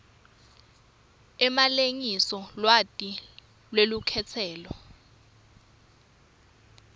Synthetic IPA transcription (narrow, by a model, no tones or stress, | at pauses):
ɛmaleŋisɔlwatʼi | lwelukʰɛt͡sʰɛːlɔ